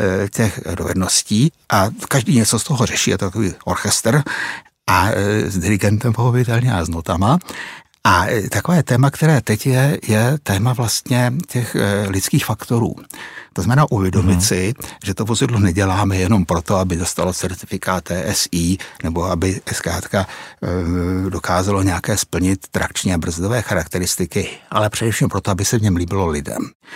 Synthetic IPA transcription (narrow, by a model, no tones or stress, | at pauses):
cɛxdo̞̰vɛ̰dno̞sciːʔakaʒdiːɲɛt͡sost̪o̞ɦo̞rɛʃiːjɛ̰t̪okoviːʔo̞ɾxɛst̪r̩ | ʔazdɪɾɪɡɛnt̪ɛmpohopɪt̪ɛlɲɛmaznot̪ama | ʔat̪akovɛːjɛt̪ɛːmakt̪ɛɾɛːt̪ɛcjɛjɛt̪ɛːmavlast̪ɲɛcɛxlɪt͡skiːxfakt̪o̞ɾṵːt̪oznmɛnaːʔuvjɛdo̞mɪt̪sɪʒ̥ɛt̪ovozɪdlonɛɟɛlaːmɛjɛno̞mpɾo̞t̪o̞abɪdost̪alot͡sɛɾt̪ɪfɪkaːt̪̚ːɛːʔɛsiːnɛbo̞abɪskɾaːt̪ka | do̞kaːzalo̞ɲɛakɛːspl̩ɲɪt̪ːɾakt͡ʃɲiabr̩zdovɛːxaɾakt̪ɛɾɪst̪ɪkɪʔa̰lɛpr̥ɛdɛfʃimpɾo̞t̪oabɪsɛvɲɛmliːbɪlo̞lɪdɛ̰m